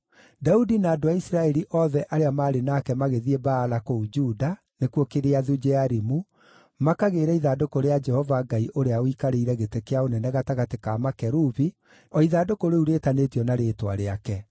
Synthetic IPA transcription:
daudinaːdoaisɾaɛɾiʔɔðɛʔaɾeamaːɾenakɛmaɣeðiebaːlakoud͡ʒuːda | nekwokeɾeaðud͡ʒɛaɾimu | makaɣeɾɛiðadokoɾead͡ʒɛhɔvaɡaiʔoɾeaoikaɾeiɾɛɣetekeaonɛnɛɣataɣatekamakɛɾuβi | ɔiðadokoɾeuɾeːtanetiɔnaɾeːtwa̰ɾeakɛ

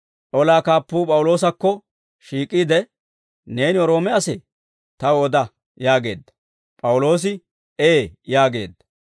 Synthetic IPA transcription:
ʔɔlaːkaːpːuːpʼɐwʊlo̞ːs̬ɐkːɔ | ʃiːkʼːiːd̪ɛ | ne̞ːnɪɔɾo̞ːmɛɐsɛ | t̪ɐwɔd̪ɐ | jaːɡe̞ːd̪ːɐ̥ | pʼɐwʊlo̞ːs̬ɪ | eːjaːɡe̞̰ːd̪ːɐ̥

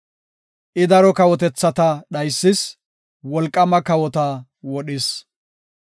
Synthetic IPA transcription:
ʔɪd̪ɐɾɔkɐwɔt̪̬ɛt͡sːɐt̪ɐɗɐjsːɪs | wɔlkʼːɐmɐkɐwɔt̪ɐ | wɔɗɪs

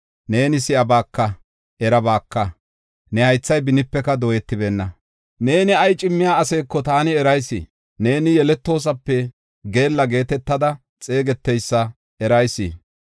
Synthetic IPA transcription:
ne̞ːnɪsɪʔɐbaːkːɐ | ʔɛɾɐbaːkːɐ | nɛhɐjt͡sːɐjbɪnɪpːɛkɐd̪oːjɛt̪ːɪbeːnːɐ | ne̞ːnɪɐjt͡ʃʼɪmːɪjaːɐse̞ːkːɔt̪aːnɪɛɾɐjsɪ̰ | ne̞ːnɪjɛlɛt̪ːo̞ːs̬ɐpːɛ | ɡe̞ːlːɐɡe̞ːt̪ɛt̪ːɐd̪ɐ | t͡sʼe̞ːɡɛt̪ːɛjsːɐ | ɛɾɐjsːɪ̰

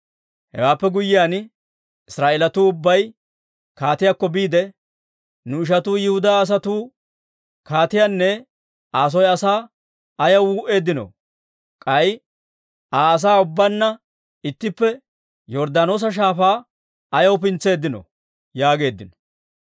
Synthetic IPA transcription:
hɛ̰waːpːɛɡʊjɪjaːn | ɪsɾaːʔelɐt̪uːʊbːɐj | kaːt̪ɪjakːɔbiːd̪ɛ | nʊɪʃ̬ɐt̪uːjɪhʊd̪aːs̬ɐt̪uː | kaːt̪ɪjanːɛ | aːs̬ɔjɐsaː | ɐjɐwuːʔe̞ːd̪ːɪnɔ̰ | kʼɐj | ʔaːɐs̬aːʊbːɐnːɐ | ɪt̪ːɪpːɛ | jɔɾd̪aːno̞ːs̬ɐʃ̬aːfaː | ɐjɐwʊpɪnt͡sːe̞ːd̪ːɪnɔ̰ | jaːɡe̞ːd̪ːɪnɔ̥

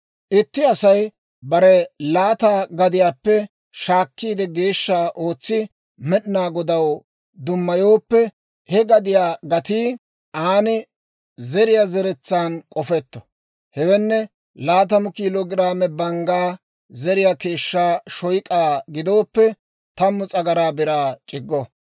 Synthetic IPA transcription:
ʔɪt̪ːɪɐsɐj | bɐɾɛlaːt̪aːɡɐd̪ɪjaːpːɛ | ʃaːkːiːd̪ɛɡe̞ːʃːaːʔo̞ːt͡sːɪ | mɛɗɪnaːɡɔd̪ɐw | d̪ʊmːɐjo̞ːpːɛ | hɛɡɐd̪ɪjaːɡɐt̪iː | ʔaːnɪ | zɛɾɪjaːzɛɾɛt͡sːaːnkʼɔfɛt̪ːɔ̥ | hɛwɛnːɛ | laːt̪̬ɐmʊkiːloːɡɪɾaːmɛbɐŋɡaː | zɛɾɪjaːke̞ːʃːaːʃɔjkʼaːɡɪd̪o̞ːpːɛ | t̪ɐmːʊt͡sʼɐɡɐɾaːbɪɾaːt͡ʃʼɪɡːɔ

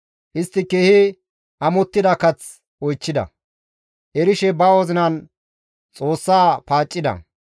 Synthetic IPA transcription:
ʔɪst̪ːɪkeːhɪ | ʔɐmɔt̪ːɪd̪ɐkɐt͡s | ɔjt͡ʃːɪd̪ɐ̰ | ʔɛɾɪʃɛbɐwɔzɪnɐn | t͡sʼoːsːaːpaːt͡ʃʼːɪd̪ɐ̰

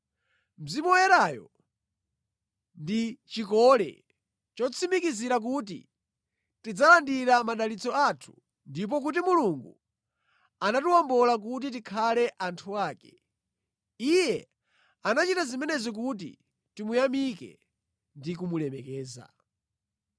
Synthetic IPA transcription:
m̩zimujɛɾajɔ̰ | ndit͡ʃikɔlɛ̰ | t͡ʃɔt͡sʰimikiziɾak̬ut̬ḭ | tid͡zalandiɾamaɗalit͡sɔatʰu̥ | ndip̬ɔk̬ut̬imuluŋɡu | anatuwɔmbɔlak̬ut̬it̬ikʰalɛʔantʰuaːkɛ | ijɛ | anat͡ʃitazimɛnɛzɔk̬ut̬ḭ | timujamikɛ̰ | ndikumulɛmɛkɛːza̰

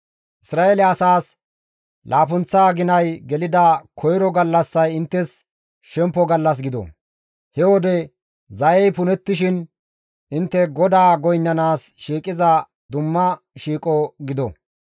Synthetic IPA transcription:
ʔɪsɾaːelɛɐsaːs | lʔaːpʊnt͡sːaːɡɪnɐjɡɛlɪd̪ɐkʰɔjɾɔɡɐlːɐsːɐjɪnt̪ːɛs | ʃɛmpːɔɡɐlːɐs̬ɡɪd̪ɔ̰ | hɛwɔd̪ɛ | zɐjɛjpʊnɛt̪ːɪʃɪn | ʔɪnt̪ːɛɡɔd̪aːɡɔjnːɐnaːsʃiːkʼɪzɐ | d̪ʊmːɐ | ʃiːkʼɔɡɪd̪ɔ̰

